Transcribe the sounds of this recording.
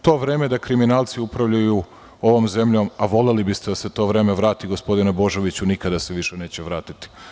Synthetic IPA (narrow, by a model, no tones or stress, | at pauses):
t̪o̞ːʋɾeːme̞d̪akɾiminaːlˠt̪siupɾaʋʎaju | o̞ʋo̞ːmze̞mʎo̞maʋo̞le̞libist̪ed̪ase̞t̪o̞ːʋɾe̞ːme̞ʋɾaːt̪iɡo̞spo̞d̪inebo̞ʒo̞ʋit͡ɕunikad̪aseʋiʃene̞ːt͡ɕeʋɾaːt̪it̪i̥